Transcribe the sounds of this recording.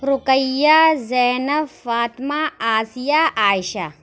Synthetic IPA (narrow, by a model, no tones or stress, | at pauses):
ɾʊkɐjːazɐːnɐfaːt̪maaːsijaʔaːjʃa